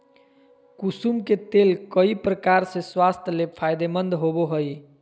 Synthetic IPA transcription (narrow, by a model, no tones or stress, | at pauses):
kusumket̪elkəipɾəkaɾsẽswast̪ʰəlepʰajd̪emənd̪ʱɦoboɦəj